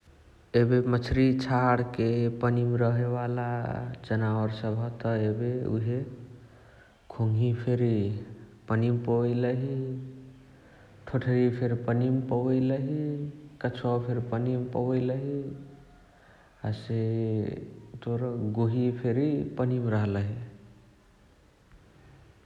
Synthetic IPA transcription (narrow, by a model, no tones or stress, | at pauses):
ebemət͡ʃʰɾit͡ʃʰaɽkepənimɾəɦebala̰d͡ʒənaʋəɾsəbʱɦɔt̪ɔebeṵɦe | kʰoŋɡʱipʰeɾi | pənimpəjləɦi | ʈʰoʈʰeɾipʰeɾpənimpəwəjləɦikət͡ʃʰapʰeɾpənimpəwəjləɦi | ase | t̪oɾɡoɦipʰeɾipənimɾʌɦləɦi